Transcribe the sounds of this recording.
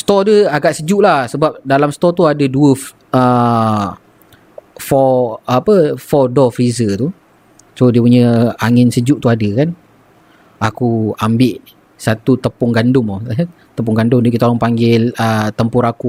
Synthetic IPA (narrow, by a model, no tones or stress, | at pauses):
st̪ɔdəaɡaʔsəd͡ʒuʔlahsəbap̚dalamsət̪ɔt̪uadəduə | ə | fɔapəfɔdɔfɾizət̪u | sodiəp̬uɲəaŋɪnsəd͡ʒuʔt̪uadəkan | akuambɪʔ | sat̪ut̪əpʊŋɡandʊmu | t̪əp̬ʊŋɡandʊmdiəkit̪olɔŋpaŋɡɪlət̪əmpʊɾaku